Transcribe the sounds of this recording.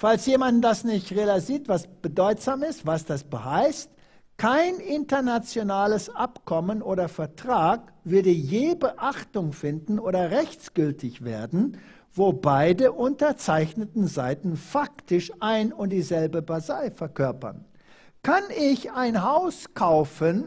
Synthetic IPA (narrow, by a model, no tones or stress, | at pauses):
falsjeːmandasnɪçtʁelaziːtv̥asb̥ədɔʏtz̥aːmɪstv̥asd̥asb̥əhaɪst | kʰaɪnɪntɐnat͡sjonaːləsʔapkʰɔmənoːɾɐfɛɐtʁ̥aːk | v̥ʏɐdəjeːbəʔaχtʊŋfɪndn̩ʔoːɾɐʁɛçt͡sɡ̥ʏltʰɪçv̥ḛːɐdn̩ | voːbaɪdəʔʊntɐt͡saɪçnətn̩zaɪtn̩faktɪʃʔaɪnʊnt̚d̥iːzɛlbəbazaɪfɛɐkʰœɐpɐ̰n | kʰanɪçaɪnɦaʊskʰaʊfən